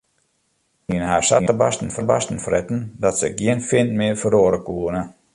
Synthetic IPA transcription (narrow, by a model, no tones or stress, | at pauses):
inhaːsa̰əəbastən̩fəba̰stn̩frɛtn̩dɔtsəɡiənfɪntmɪəfəɾoːɾəkuənə